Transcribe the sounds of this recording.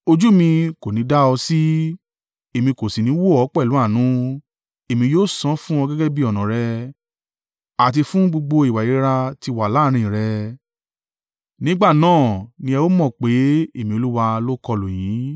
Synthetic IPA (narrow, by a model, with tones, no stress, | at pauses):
o˧d͡ʒu˦mĩ˧ko˨nĩ˨˦da˦ɔ˧si˦ | e˨mĩ˧ko˨si˨nĩ˨˦wo˦ɔ˨˦k͡pɛ˦˨lu˨˦a˦˨nũ˨˦ | e˨mĩ˧joː˦˨sɔ̃˨˦fũ˦ɔ˧ɡɛ˦ɡɛ˦bi˦ɔ˨nã˨ɾɛ˧ | a˨t̬i˧fũ˦ɡ͡bo˧ɡ͡bo˧i˨wa˨ji˨˦ɾa˧ti˧wa˨la˨˦ɾ̃ĩ˧ĩ˨ɾɛ˧ | nĩ˦ɡ͡ba˦˨nãː˦˨nĩ˧ɛ˧wo˦mɔ̃˦˨k͡pe˨˦e˦˨mĩ˧o˧lu˦wa˧lo˦kɔ˧lo˨j̃ĩ˨˦